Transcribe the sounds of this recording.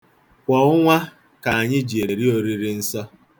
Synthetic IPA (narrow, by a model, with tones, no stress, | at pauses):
kʷɔ˨ʊ˦ŋʷa˦ | ka˨a˨ɲɪ˦d͡ʒe˨ɾe˨ɾi˦o˨ɾi˦ɾi˦n̩˦sɔ˦